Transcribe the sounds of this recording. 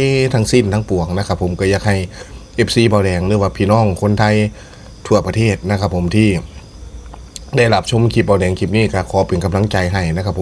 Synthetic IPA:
t̪ʰa˦˧˥ŋsi˧˥˩nt̪ʰa˧˥˧ŋpu˨˩əŋ̚na˧kʰa˧pʰːo˨˦mka˧˩jaː˧k̚ha˧˩jʔe˦˧˩p̚siː˧˥˩baː˧˩wdɛː˨˦ŋlɯː˧˦waː˧pʰiː˧˩nɔː˧˥˩ŋkʰo˧˥˨nt̪ʰa˧j | t̪ʰu˧˩ɐpa˧t̪ʰeː˥˩t̪̚na˧˥kʰa˧˩pʰːo˨˦mt̪ʰiː˧˩ | da˧˩jla˧˩p̚t͡ɕʰo˧˥˨mkʰi˧˩p̚baː˧˩wdɛː˨˦ŋkʰi˧˩p̚niː˧˥˩ka˧˩kʰɔː˨˦pe˨nka˧mla˧˥˨ŋt͡ɕa˨˧jɦa˧˩jna˧˥˩kʰa˧˩pʰo˨˦

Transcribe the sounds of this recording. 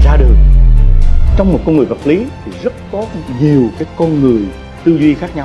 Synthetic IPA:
zaː˧ɗɨ˨˩əŋ | t͡ɕɔ˧wŋ͡mmo˨˩t̚kɔ˧nŋɨ˨˩jvə˨˩t̚li˨˦t̪ʰi˨˩zə˦˥t̚kɔ˨˦ɲi˨˩əwkaː˨˦jkɔ˧nŋɨ˨˩əj | t̪ɨ˧zwi˧xaː˦˥k̚ɲa˧w

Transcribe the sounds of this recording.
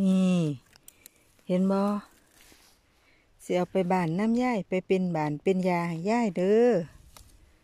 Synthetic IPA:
ʔiː˧˩ | he˧˥˦nbɔː˧˦ | si˧˦ʔa˨˧˩wpa˨jbaː˨˩nːa˧˥˨mjaː˧˥˨jpa˨˩jpe˧˨nbaː˨˩npe˧˨njaː˧jaː˧˥˨jdɤː˧˦

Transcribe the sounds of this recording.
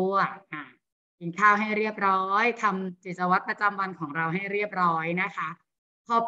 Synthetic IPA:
ɐ˩ʔa˧˩ | ki˨˩˦nkʰaː˥˩wɦa˥˩jɾi˥˩əp̚ɾɔː˦˥jt̪ʰa˧mt͡ɕi˨˩sa˧wa˦˥t̪̚pɾa˧t͡ɕa˧mwa˧nkʰɔː˩˦ŋɾa˧wɦa˥˩jɾi˥˩əp̚ɾɔː˦˥jna˦˥kʰa˦˥ | pʰɔː˧

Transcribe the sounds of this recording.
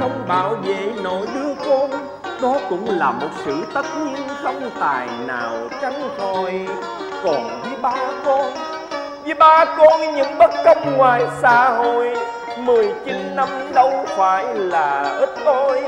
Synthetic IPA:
xə˧wŋ͡mɓaː˧˩wvḛ˧˨no̰˧˨jɗɨ˧əkɔ˧n | ɗɔ˨˦kʊ̰˧˥ŋ͡mlaː˨˩mo˨˩t̚sɨ̰˧˥t̪ə˦˥t̚ɲi˧ənsə˧wŋ͡mt̪aː˨˩jna̰ː˨˩w | t͡ɕa˨˦ŋ̟t̪ʰo˧˩j | kɔ˨˩nvi˨˦ɓaː˧kɔ˧n | vɨ˨˦ɓaː˧kɔ˧nɲɨ̰˧˥ŋɓə˦˥t̚kə˧wŋ͡mŋwaː˨˩jsaː˧˦ɦo̰˧˨j | mɨ˨˩əjt͡ɕi˨˦nːa˧mɗə˧wfaː˧˦jlaː˨˩ʔɨ˦˥p̚t̪o˧j

